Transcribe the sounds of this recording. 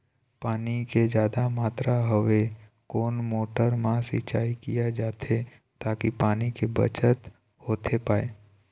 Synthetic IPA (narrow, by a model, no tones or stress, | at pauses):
paːniked͡ʒjaːd̪amaːt̪ɾaɦəʋe | koːnmoːʈəɾmãsɪt͡ʃaːikijad͡ʒaːt̪ʰe | t̪aːkipaːnikebə̰t͡ʃət̪ | hoːt̪ʰepaːe